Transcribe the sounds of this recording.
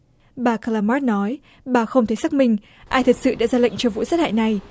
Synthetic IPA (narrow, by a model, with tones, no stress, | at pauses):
ɓaː˨˩kaː˧laː˧maː˦˥t̚nɔ˨˦j | ɓaː˨˩xə˧wŋ͡mt̪ʰe˨˦jsa˦˥k̚mï˧ŋ̟ | ʔaː˧jt̪ʰə˨˩t̚sɨ̰˧˨ɗa̰ː˧˥zaː˧la̰˧˨jŋ̟t͡ɕɔ˧vṵ˧˨saː˦˥t̚haː˧˨jna˨˩j